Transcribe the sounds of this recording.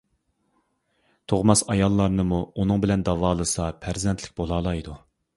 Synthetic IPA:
t̪ʰoʁmɑsɑjɑlˠːɑɾnɨmuunɨŋbɪlɛnd̪ɑvɑːlˠɨsɑpʰæɾzɛnt̪ʰlɪkʲbolˠɑːlˠɑjd̪u

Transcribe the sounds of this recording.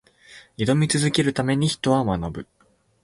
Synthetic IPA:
id̪o̞mʲit͡sɨzɨke̞ɾɯ̟t̪ame̞ɲ̟içi̥t̪o̞βamanobɯ̟

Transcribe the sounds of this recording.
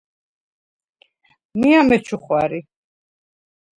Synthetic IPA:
miamɛt͡ʃʰuχwaɾi

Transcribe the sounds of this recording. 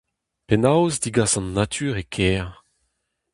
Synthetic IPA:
pɛnawzd̪iɡasɑ̃nːat̪ʰyːʁekʰɛːʁ

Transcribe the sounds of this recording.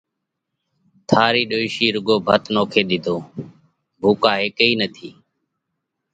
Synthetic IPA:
t̪ʰaːɾiːɗoːɪʃiːɾʊɡoːbʱət̪noːkʰeːɗ̪ɪd̪ʱoː | bʱuːkaːɦeːkəiːnət̪ʰḭː

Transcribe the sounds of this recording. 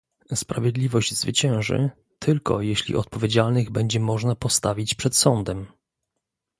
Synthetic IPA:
spɾavʲjed̪lʲivɔʑd͡ʑzvɘt͡ɕɛ̃w̃ʐɘ̰ | t̪ʰɘlkɔ̰jeɕlʲḭʔɔt̪̚pɔvʲed͡ʑalnɘɣbɛɲd͡ʑɛmɔʐnapɔst̪avʲit͡ɕpʂɛt̪sɔnd̪ɛm

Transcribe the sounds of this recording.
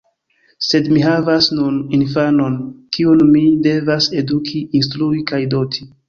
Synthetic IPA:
se̞dmiɦavasnuninfano̞nkiunmide̞vase̞dukʰiinstɾuikajdo̞tʰi

